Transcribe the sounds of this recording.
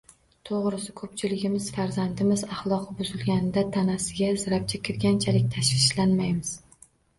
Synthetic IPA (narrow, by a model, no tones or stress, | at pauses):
t̪ʰoʁɾɪsɪkʰɵp̚t͡ʃʰɪlɪɡʲɪmɪz̥faɾzand̪ɪmɪzɑχlˠɒqʰbʊzɪlɡʲanɪd̪at̪ʰanasɪɡʲazɾap̚t͡ʃʰakʲʰɪɾɡʲant͡ʃʰalɪk̚ʲt̪ʰaʃvɪʃlanmajmɪz̥